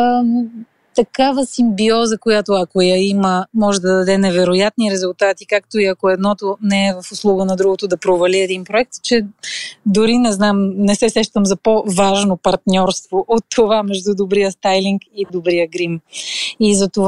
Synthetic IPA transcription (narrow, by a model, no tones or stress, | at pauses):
ə | t̪ɐkavəsimbiɔzəkojat̪oɐkojɐiməmɔʒɛd̪ɐd̪ɐd̪ɛnɛvɛɾojat̪niɾɛzʊlˠt̪at̪ikakt̪oiɐkoɛd̪nɔt̪onɛɛvɐfʊslˠuɡənɐd̪ɾuɡot̪od̪ɐpɾovɐliɛd̪inpɾoɛk̚t̪t͡ʃɛ | d̪ʊɾinɛznamnɛsɛsɛʃt̪əmzɐpovaʒnopɐɾt̪nʲɔɾst̪voʔot̪ʰːovamɛʒd̪ud̪obɾijəst̪ajliŋkid̪obɾijəɡɾimizɐt̪ov